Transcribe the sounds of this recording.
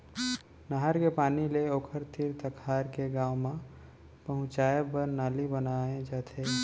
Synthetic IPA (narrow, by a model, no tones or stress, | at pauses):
nəɦaɾkepaːnileoːkʰəɾt̪ʰiɾt̪əkʰaːɾkeɡaːʊmã | pəɦʊ̃t͡ʃaːepəɾnaːlibənaẽd͡ʒaːt̪ʰeː